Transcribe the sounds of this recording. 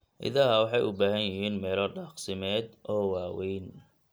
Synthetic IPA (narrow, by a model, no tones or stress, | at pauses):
ʔɪ̰ðɐɦɐwɑħɑjʊbaːɦɐnjɪɦiːnmɛːlɔɖaːqsɪmɛːd̪ʔɔːwɑːwɛjn